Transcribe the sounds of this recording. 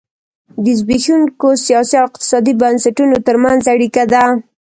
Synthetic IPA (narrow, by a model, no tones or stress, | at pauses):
d̪əzbixuŋkosijɑsiawɪq̚t̪ɪ̥sɑd̪ibansaʈunot̪əɾmanzaɽikad̪a